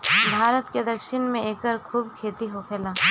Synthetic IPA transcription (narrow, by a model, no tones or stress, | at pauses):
bʱaːɾət̪ked̪ɐkʃɪnmẽeːkəɾkʰuːbkʰeːt̪iɦokʰeːlaː